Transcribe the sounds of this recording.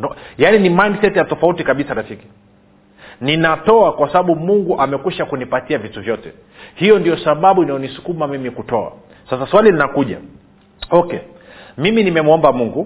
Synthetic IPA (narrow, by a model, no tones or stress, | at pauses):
janinimajndsɛtjatɔfautikaɓisaɾafiki̥ | ninatɔakwasaɓaɓumuŋɡuʔamɛkwiʃakunipatiavituvjɔtɛ | hijɔndijɔsaɓaɓuinajɔnisu̥kumamimikutɔa̰ | sasaswalilinakuʄa̰ | ɔkɛ | miminimɛmwɔmbamuŋɡu